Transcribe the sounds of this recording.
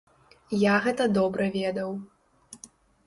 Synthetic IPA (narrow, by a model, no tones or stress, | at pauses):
jaɣɛt̪ɐd̪ɔbɾɐvʲɛd̪ɐw